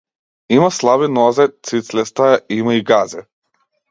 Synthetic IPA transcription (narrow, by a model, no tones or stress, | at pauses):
imaslˠaβinɔzɛt̪sit̪slɛst̪ajaimaiɡazɛ